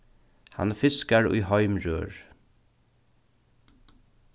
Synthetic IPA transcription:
hɑ̰nfɪskaɹʊ̰ɪhɔʏmɹø̰ːɹ

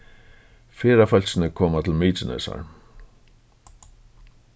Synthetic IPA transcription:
feːɾafœlsɪnɪkʰoːmat̪ʰɪlmiːt͡ʃɪnɛ̰sa̰ɹ

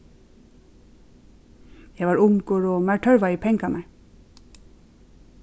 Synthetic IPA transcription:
jæʋɑːɹʊŋɡoːɹoːmæʈʰœɹʋɑiːpʰɛŋɡɑmæ

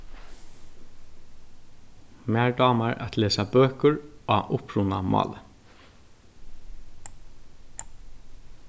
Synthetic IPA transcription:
mæːɹdɑːmaɹʔa̰t̪leːsabøːkʊɹa̰ʔʊpɹunamɑ̰ːlə

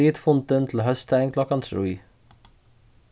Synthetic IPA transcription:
iːt̪fʊnt̪ənt̪ʰl̩ɦœst̪æɪŋkʰlɔkɑnt̪ʰɾṵː

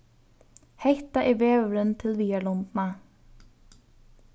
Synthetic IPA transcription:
hejht̪aʔɪvɛːvɾʏnt̪ʰɪlviːjaɾlɔnt̪na

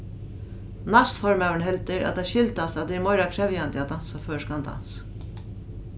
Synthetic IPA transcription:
nasfɔɹmæwɪɳɦɛlt̪ɪɾa̰t̪d̪aʃɪlt̪ast̪ad̪ɛɛmɔjɾakʰɾɛvjand̪ɪad̪ansaføːʂkand̪a̰ns

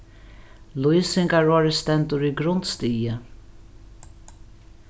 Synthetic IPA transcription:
lujsɪŋkaɹɔːɹɪst̪ɛnt̪ʊɾiɡɾʊnt̪st̪iːjə

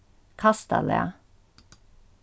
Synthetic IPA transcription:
kʰɑst̪ɑ̰lḛ

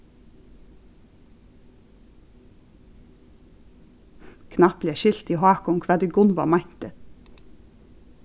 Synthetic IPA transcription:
kʰnɑpleːʃɪlt̪iːhɑːkʊmkʰʋɑːd̪ʉːɡʊnʋɑmæɪnt̪ə

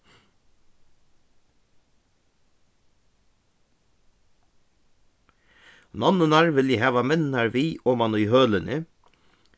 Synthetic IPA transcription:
nɑnənɑɹʋɪljihɑːʋɑmɪnnɑɹʋiːʔoːmɑnuːhøːlənʔɪ

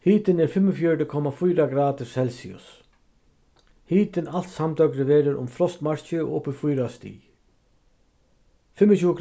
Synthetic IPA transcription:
hiːt̪ɪnɛɾ̥fɪmːɔfjœɹʈɪkʰɔmːafujɾaɡɾaːt̪ɪ̥sɛlsḭʊ̰s | hiːt̪ɪnal̥t̪samt̪œkɾɪʋɛːɾɪɾʔʊ̰mfɾɔst̪maɹ̥t͡ʃɪɔ̰ʊpɪfujɾast̪ḭː | fɪmːɔt͡ɕʰuːəɡ

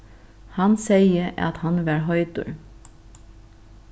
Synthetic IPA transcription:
hɑnseɪəʔɑ̰t̪hɑnʋæːɹɦɔʏt̪ʊ̰ɹ

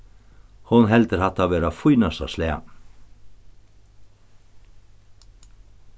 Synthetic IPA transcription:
hʊnɦɛlt̪əɾhat̪aʋeːɾafʊjnasa̰sleːa̰

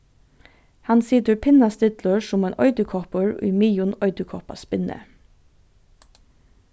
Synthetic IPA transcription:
hɑnsiːd̪əpʰɪnɑst̪ɪt̪ləʃʊmeːnʔɔ̰ʏd̪əkʰɔpəɹḭːmiːʊnɔʏd̪əkʰɔpɑ̰sbɪnə̰

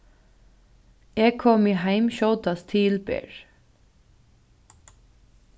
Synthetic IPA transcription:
ɛkʰɔːmɪɦaɪmʃɔwt̪ast̪ʰiːlpɛ̰ːɹ

